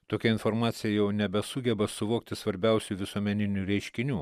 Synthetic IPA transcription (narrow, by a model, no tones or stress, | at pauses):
t̪oːkʲɛɪnfoɾmɑːt̪sʲɪjɛjɛʊnʲɛbʲɛsʊɡʲɛbɐsʊʋoːk̚t̪ʲɪsʋɐɾʲbʲɛˑʊsʲuʋʲɪsuɔmʲɛnʲɪnʲuːɾʲɛɪʃʲkʲɪnʲuː